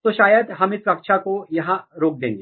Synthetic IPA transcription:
t̪oːʃaːjəd̪ɦɐmɪsɾɐkʃakojɐɦãɾoːk̚d̪ẽːŋɡeː

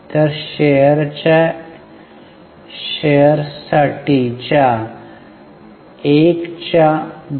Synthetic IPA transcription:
t̪əɾɕejəɾt͡ɕa | ɕejəɾsaʈit͡ɕa | ekt͡ɕa

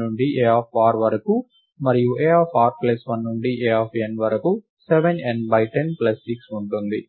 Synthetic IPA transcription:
nuɳɖiʔeːaːpʰʋaːɾʋɐɾɐku | mɐɾijuʔeːaːpʰaːɾplɐsʋɐnːuɳɖiʔeːaːpʰenʋɐɾɐku | seʋenenbɐjʈenplɐsːiksuɳʈund̪i

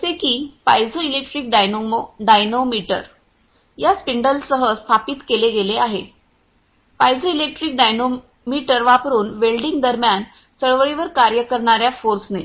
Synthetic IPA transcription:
sekiːpa̰jd͡zoilek̚ʈɾiːk̚ɖajnoɖajnomiʈə̰ɾ | jaspiɳɖəlsəɦəst̪ʰapiːt̪keleɡeleaɦe | pajd͡zoilek̚ʈɾiːk̚ɖajno | miʈəɾʋapɾuːnʋelɖiŋɡ̚d̪əɾmjan | səɭʋəɭiʋəɾkaɾjəkəɾɳaɾjafoɾsne

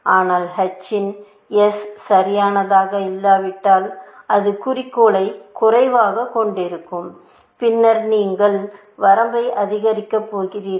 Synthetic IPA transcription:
aːnaːlhɐt͡ʃːɪn | ɛssɐɾɪjaːnɐðaːɣɐɪlːaːʋɪʈːaːlʔɐðɯkʊrɪkːoːlɐɪkʊrɐɪʋaːɣɐkːɔɳɖɪɾɯkːɯm | pɪnːɐɾniːŋɡɐɭ | ʋɐɾɐmbɐɪʔɐðɪɣɐɾɪkːɐpːoːɣɪriːɾ

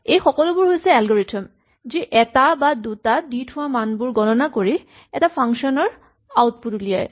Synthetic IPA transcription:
ejxɔkɔlʊbʊɹɦojsɛalɡoɹetʰɔm | ziʔɛtabadutaditʰʊwamanbʊɹɡɔnɔnakoɹi | ɛtapʰaŋʃɔnɔɹ | awt̚putulija̰j

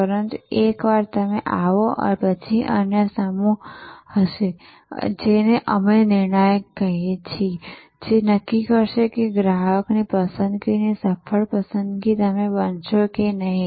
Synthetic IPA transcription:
pəɾənt̪ekʋaɾt̪əmḛ̃ʔaʋoʔə̰ɾpət͡ʃʰiʔə̰njəsəmũhəʃe | d͡ʒeneʔə̰menɪɾɳəjkəɦet͡ʃʰi | d͡ʒenəkːikəɾʃekeɡɾaɦəknipəsə̃nd̪̚kinesəpʰəɭpəsə̃nd̪kit̪əmẽbənt͡ʃokenəɦĩ

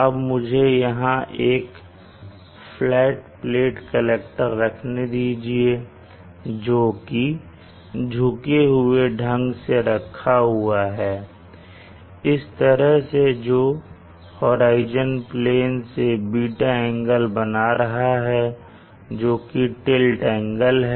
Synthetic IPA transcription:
ɐbmʊd͡ʒʱejɐɦãʔeːk | flɛːʈpleːʈkəleːkʈəɾːɐkʰned̪iːd͡ʒie | d͡ʒoːki | d͡ʒʱʊkeɦʊeɖʱɐ̃ŋɡseɾɐkʰːaɦuʊaɦɛː | ɪst̪əɾəɦsed͡ʒoː | hoːɾaːɪd͡ʒənpleːnsebiːʈaɛ̃ːŋɡəlbɐnaɾɐɦaɦɛ | d͡ʒoːkiʈelʈɛ̃ːŋɡəlɦɛ

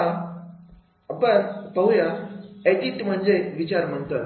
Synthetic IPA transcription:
a | pəɾpəɦujaeɖiʈm̤əɳd͡zeʋit͡ɕaɾm̤əɳt̪ə

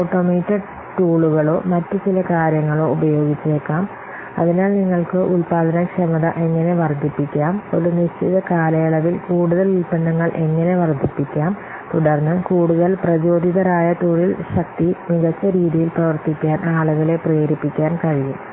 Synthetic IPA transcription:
oːʈːoːmiːtːɐ | ʈuːɭuɣɐɭo̞ːmɐtːut͡ɕilɐkaːɾjɐŋːɐɭo̞ːubɐjo̞ːɡit͡ɕːɐekːaːm | ɐ̰ðinaːlniŋːɐɭkɨʔulpaːd̪ʱɐnɐkʂɐmɐðɐʔe̞ŋːɐne̞ʋɐrd̪ʱipːikʲːaːmo̞ɾuniɕt͡ɕiðɐkaːlɐjɐɭɐʋilkuːɽuðɐlilpɐɳːɐŋːɐɭʔe̞ŋːɐne̞ʋɐrd̪ʱipːikʲːaːm | t̪uɽɐrnːɨkuːɽuðɐlprɐd͡ʑo̞ːd̪ʱiðɐɾaːjɐʈuːɭilɕɐk̚t̪imiɣɐt͡ɕːɐɾiːðijilprɐʋɐrt̪ikʲːaːnʔaːɭuɣɐɭe̞preːɾipːikʲːaːnkɐɻijum

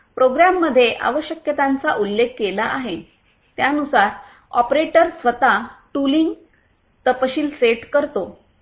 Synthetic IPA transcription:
pɾoɡɾamːəd̪ʱːjeʔa̰ʋəɕjəkjət̪ãnt͡saʔulːekʰːkelaʔaɦe | t̪janusaɾ | ɔ̰pɾeʈəɾsʋət̪aʈuliŋɡ | t̪əpəɕiːlseʈkəɾt̪o

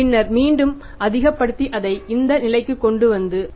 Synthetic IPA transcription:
ɪnːɐɾmiːɳɖɯm | ɐðɪɣɐpːɐɽɯt̪ːiʔɐðɐɪɪnd̪ɐnɪlɐɪkːɯkːɔɳɖɯʋɐnd̪ɯ

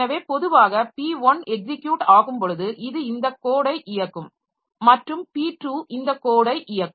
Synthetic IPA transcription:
ɐʋeːpɔðɯʋaːɣɐpiːʋɐnɛk̚sɪkːjuːʈaːɣɯmpɔɻɯðɯʔɪðɯɪnd̪ɐkːoːɽɐɪʔɪjɐkːɯm | mɐʈrɯmpiːʈruːʔɪnd̪ɐkːoːɽɐɪʔɪjɐkː

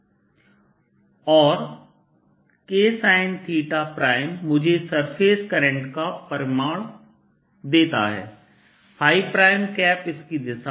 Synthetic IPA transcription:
ɔːɾ | keːsaːɪnt̪ʰiːʈapɾaːɪmːʊd͡ʒʱesɐɾpʰeːskəɾə̃ɳʈkapəɾɪmaːɽ | d̪eːt̪a̰ɦɛ̰ː | haːipɾaːɪmkɛːpɪskid̪ɪsa

